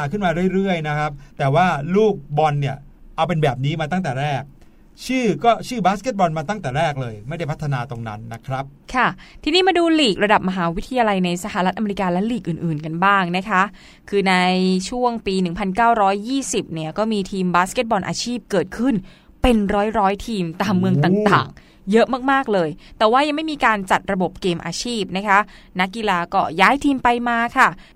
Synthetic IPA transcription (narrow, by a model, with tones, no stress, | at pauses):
aː˨˧kʰɯ˥˩nmaː˧ɾɯ˥˩ə˨ɾɯ˥˩əjna˦˥kʰɾa˦˥p̚t̪ɛː˨˩waː˥˩luː˥˩k̚bɔ˧nːi˥˩ɐ | ʔa˧wp̬e˧nbɛː˨˩p̬̚niː˦˥maː˧t̪a˥˩ŋt̪ɛː˨˩ɾɛː˥˩k̚ | t͡ɕʰɯː˥˩kɔː˥˩t͡ɕʰɯː˥˩baː˦˥ske˦˥t̪̚bɔ˧nmaː˧t̪a˥˩ŋt̪ɛː˨˩ɾɛː˥˩k̚lɤː˧jma˥˩jda˥˩pʰt̪ʰːa˧naː˧t̪o˧ŋna̰˦˥nːa˦˥kʰɾa˦˥p̚kʰa˥˩t̪ʰiː˧˩niː˦˥˩maː˧duː˧liː˨˩k̚ɾa˧da˨˩p̚ma˧ɦaː˩˦wi˦˥t̪ʰːa˧jaː˧la˧jna˧jsa˧˩haː˧ɾa˦˥t̪ʔme˧i˦˥kaː˧lɛ˦˥liː˨˩k̚ʔɯː˨˩nʔɯː˨˩nka˧nbaː˥˩ŋna˦˥kʰa˦˥ʔ | kʰɯː˧na˧jt͡ɕʰu˥˩əŋpiː˧nɯ˨˩ŋpʰa˧nkaː˥˩wɾɔː˦˥jːiː˥˩si˨˩p̚ni˥˩ɐkɔː˥˩miː˧t̪ʰiː˧mbaː˦˥ske˦˥t̪̚bɔː˧nʔa̰ː˧t͡ɕʰiː˥˩p̚kɤː˨˩t̪̚kʰɯ˥˩n | pe˧nɾɔː˦˥jɾɔː˦˥jt̪ʰiː˧mt̪aː˧mːɯ˧əŋt̪aː˨˩ŋt̪a̰ː˨˩ŋ | jɤ˦˥ʔmaː˥˩k̚maː˥˩k̚lɤː˧jt̪ɛː˨˩waː˥˩ja˧ŋma˥˩jmiː˧kaː˧nt͡ɕa˨˩t̪̚ɾa˧bo˨˩p̚keː˧mʔaː˧t͡ɕʰiː˥˩p̚na˦˥kʰa˦˥ | na˦˥kːi˧laː˧kɔː˥˩jaː˦˥jt̪ʰiː˧mpa˧jmaː˧kʰa˥˩